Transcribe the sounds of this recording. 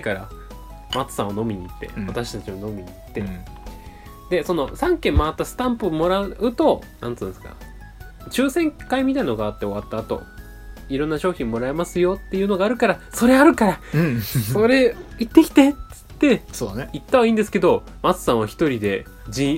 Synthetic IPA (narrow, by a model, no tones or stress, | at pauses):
kaɾa̰ | mat͡sɨ̥sã̰ɰ̃ano̞mʲiɲ̟iːt̪ːe̞̰βat̪aɕi̥t̪at͡ɕiβano̞mʲiɲ̟it̪ːe̞ | d̪e̞so̞no̞sãŋkẽ̞mːaat̪ːasɨ̥t̪ãmpɯmo̞ɾaɯ̟t̪o̞nãntt͡sɨ̃ːnesɨ̥ka̰ | t͡ɕɨːsẽ̞ŋkaimʲit̪ainoɡaːt̪ːe̞o̞βat̪ːaːt̪o̞̰ | iɾõ̞nːaɕo̞ːçĩmːo̞ɾae̞masɨjo̞t̪ːe̞jɯ̟ːno̞ɡaːɾɯ̟kaɾaso̞ɾe̞aɾɯ̟kaɾa | so̞ɾe̞it̪ːe̞kʲi̥t̪e̞t͡sɨ̥t̪ːe̞sonit̪ːaβaĩːnd̪e̞sɨ̥ke̞d̪o̞ | mat͡sɨ̥sãɰ̃β̞açi̥t̪o̞ɾʲid̪e̞ | d͡ʑĩ